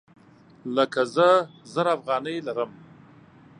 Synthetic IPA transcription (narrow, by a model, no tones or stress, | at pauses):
ləkazəzəɾafɣɑnəjlaɾəm